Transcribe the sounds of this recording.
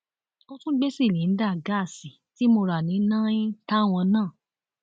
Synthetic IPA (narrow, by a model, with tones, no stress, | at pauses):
õ˧tũ˦ɡ͡be˦si˦˨nĩ˨˦n̩˦da˦˨ɡa˦˨si˨ti˨˦mo˧ɾa˨nĩ˨˦nã˦ĩ˦ta˦˨w̃ɔ̃˧nãː˦˨